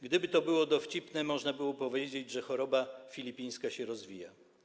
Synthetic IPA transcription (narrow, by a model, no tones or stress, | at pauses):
ɡd̪ɘbɘt̪ɔbɘwɔd̪ɔft͡ɕipnɛmɔʐnabɘwɔpɔvʲjed͡ʑed͡ʑʐɛxɔɾɔbafʲilʲipʲij̃skaɕɛɾɔzvʲija